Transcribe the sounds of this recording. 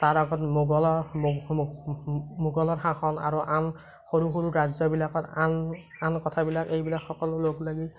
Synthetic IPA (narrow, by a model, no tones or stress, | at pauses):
taɹaɡɔtmuɡɔlɔ | muɡɔlɔɹxaxɔna̰ɹuʔan | xoɹuxuɹuɹazɔbilakɔtan | ankɔtʰabilakejbilakxːɔkɔlʊloklaɡi